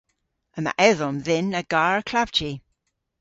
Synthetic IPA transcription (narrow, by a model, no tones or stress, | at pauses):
əma̰ʔɛðɔmðɪnəɡaːɹəkʰlav̥d͡ʒi